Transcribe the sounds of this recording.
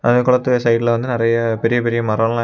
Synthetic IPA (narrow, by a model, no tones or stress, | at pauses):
ʔɐ̰ðɐkːʊɭɐt̪ːɯsɐɪʈːɪlɐʋɐnd̪ɯnɪrɐjɐpɛɾɪjɐpɛɾɪjɐmɐɾɐmlã